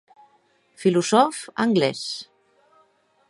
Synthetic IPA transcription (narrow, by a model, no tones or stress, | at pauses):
filuzɔfa̰ŋɡlɛs